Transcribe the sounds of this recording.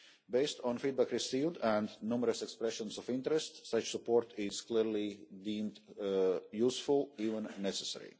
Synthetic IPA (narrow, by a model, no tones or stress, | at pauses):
beɪstɔ̃nfid̪̚bækɾisiːvdæ̃ndnuməɾəsɛkspɾɛʃə̃nsɔfɪ̃ntɾɛstsʌt͡ʃsupoɾt̪ɪz̥kliɾlidĩːmd | jusfulˠiːvə̃nːɛsəsɛ̰ɹḭ